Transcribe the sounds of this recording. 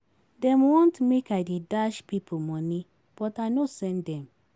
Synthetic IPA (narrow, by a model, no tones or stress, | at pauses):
dɛ̃mwɔ̃ntmekaɪdedaʃpipʰomɔni | b̥ɔtaɪnosɛ̃ndɛ̃m